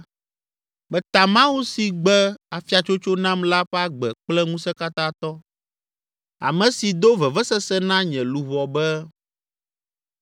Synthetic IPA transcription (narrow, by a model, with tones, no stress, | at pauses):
bɛ˨t̪a˨mã˦wu˦si˨ɡ͡bɛ˦a˨fi˦a˨t͡ʃo˦t͡ʃo˦nã˦mla˦ɸɛ˦a˦ɡ͡bɛ˨k͡plɛ˦ŋũ˦sɛ˦ka˦t̪ã˦t̪ɔ˦ | a̰˨mɛ̃˨si˨d̪o˦vɛ˨vɛ˦sɛ˦sɛ˦nã˦ɲɛ̃˨lu˨βɔ˨bɛ˦